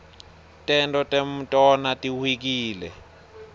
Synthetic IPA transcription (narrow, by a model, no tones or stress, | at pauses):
tʼɛntʼɔtʼem̩tʼɔnatʼiwik̬iːlɛ̰